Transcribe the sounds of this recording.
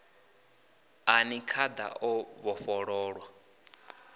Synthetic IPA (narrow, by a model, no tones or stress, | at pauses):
anikʰad̪a̰ʔɔβɔɸɔɺɔːɺwa